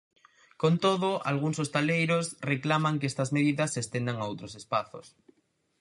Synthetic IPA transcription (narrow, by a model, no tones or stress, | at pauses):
kont̪oðoa̰lɣ̞uŋsost̪alejɾosreklamaŋkest̪azmeðiðasːest̪end̪aŋaowt̪ɾosespaθo̰s